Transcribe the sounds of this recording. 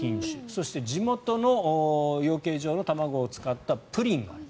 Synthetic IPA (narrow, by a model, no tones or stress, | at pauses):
ĩɰ̃ɕɨ̰so̞ɕi̥t̪e̞d͡ʑimo̞t̪o̞no̞jo̞ːke̞ːʑo̞ːno̞t̪amaɡo̞ːt͡sɨ̥kat̪ːapɯ̟ɾʲĩŋɡaaɾ